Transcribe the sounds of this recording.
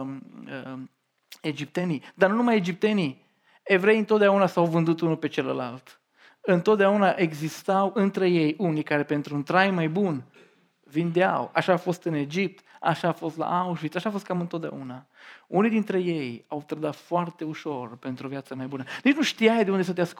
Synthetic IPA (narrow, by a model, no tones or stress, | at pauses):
e̞d͡ʒip̚t̪e̞nid̪aɾnunumajed͡ʒip̚t̪e̞ni | e̞vɾe̞jɨnt̪ot̪d̪eaunasawvɨnd̪ut̪unupe̞t͡ʃe̞lə̰lalt̪ | ɨnt̪o̞t̪̚d̪eaunaʔe̞ɡzist̪awɨnt̪ɾe̞je̞jʔunikaɾe̞pe̞nt̪ɾuːnt̪ɾajmajbun | vind̪ea̰waʃaːfo̞st̪ɨne̞d͡ʒip̚t̪a̰ʃaːfo̞st̪la̰ʔauʃvit̪saʃaːfost̪̚kamɨnt̪ot̪d̪ea̰unaunijd̪int̪ɾe̞je̞jawt̪ɾəd̪at̪foart̪e̞uʃo̞rpe̞nt̪ɾuovjat̪səmajbunənit͡ʃnuʃt̪iajd̪eund̪es̬ət̪̬eask